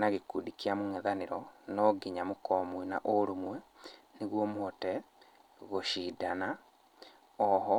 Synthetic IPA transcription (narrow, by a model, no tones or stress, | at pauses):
naɣekudikiamomwɛðaneɾɔnɔɡiɲamokɔmwina̰ʔoɾumwɛ | neɣwɔmoɔtɛ | ɣoɕiːdana | ɔɦɔ